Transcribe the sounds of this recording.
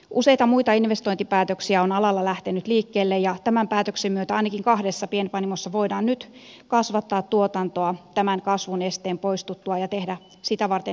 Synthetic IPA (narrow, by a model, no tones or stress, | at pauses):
ʔuseijt̪ɑmuit̪ɑinʋest̪oint̪ipæːt̪øksiæonɑlɑlːɑlæht̪enyt̪liːkːeːlːejɑt̪æmæmpæːt̪øksemyøt̪æɑinɑkiŋkɑhdesːɑpienpɑnimosːɑʋoidɑːnnyt̪ | kɑsʋɑt̪ːɑːt̪t̪uot̪ɑnt̪oɑt̪æmæŋkɑsʋunest̪eːmpoist̪ut̪ːuɑjɑt̪ehdæ | sit̪æʋɑrt̪e